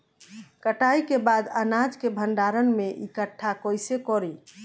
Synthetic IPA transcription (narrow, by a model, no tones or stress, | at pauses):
kəʈaikebad̪ənad͡ʒkebʱəɳɖaɾənmeʔikəʈʰːakɔjsekɔɾi